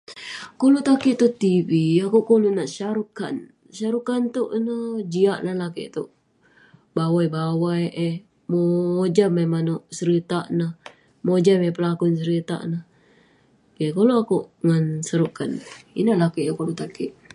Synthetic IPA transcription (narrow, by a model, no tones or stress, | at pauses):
kolut̪akiʔt̪ut̪iviakuʔkolunaʔsaɾuka̰n | saɾukant̪uʔnəd͡ʒiaʔnahlakḛʔt̪uʔ | bawajbawajʔe | moːd͡ʒamajmanoʔsəɾit̪aʔnah | mod͡ʒamapəlakunsəɾit̪a̰ʔnah | kekoloakuʔŋansəɾukanḭnahlakeʔt̪ukolut̪akiʔ